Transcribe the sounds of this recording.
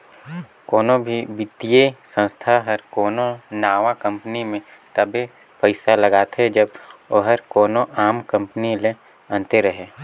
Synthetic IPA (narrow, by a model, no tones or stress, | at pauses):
koːnobʱibɪt̪ijesə̃nst̪ʰaɦəɾkoːnonaːʋakə̃mpənimẽ | t̪əbe | pəɪsaləɡaːt̪ɦed͡ʒəboɦəɾkoːnoʔaːmkə̃mpənile | ə̃nt̪eɾəɦeː